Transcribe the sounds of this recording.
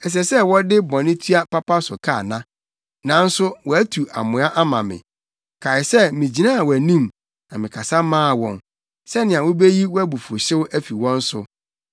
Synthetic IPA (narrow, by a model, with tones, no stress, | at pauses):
ɛ˨s̬ɛ˨sɛ˦wɔ˦dɪ˦bɔ̃˨nɪ̃˦tʰɥa˦pa˦pa˦sʊ̰˨kʰa˦˨nã˦ | nã˨n̩˦sʊ˦wɔ˨æ˦tʰu˨ʔa̰˨mʊ̃˨a˦ʔa˦mã˨mɪ̰̃˨ | kʰa˨ɪ˨sɛ˦mĩ˨d͡ʑi˨nã˦˨wɔ˨æ˨nĩ˦m | nã˨mɪ̃˨kʰa˨sa˦mãː˦˨wɔ̰̃˨n | sɛ˦nɪ̃˨ã˨wʊ̃˦be˦ji˦wɔ˦æ˦bu˨fʊ˨ɕɪ˦wʊ˦ʔæ˦fi˨wɔ̃˦n̩˦sʊ̰˦